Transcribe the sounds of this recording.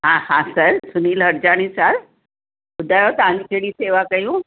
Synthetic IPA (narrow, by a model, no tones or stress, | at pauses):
ɦãhãsəɾsuniːlɦəɾd͡ʑaɽ̃ĩːsəɾ | ʊd̪ʱːajot̪ãnikʰeɽiːseʋakəjũː